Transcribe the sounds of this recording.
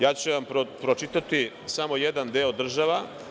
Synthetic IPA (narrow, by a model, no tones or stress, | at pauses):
jaːt͡ɕuʋampɾopɾot͡ʃit̪at̪i | samo̞jed̪and̪eod̪r̩ʒaʋa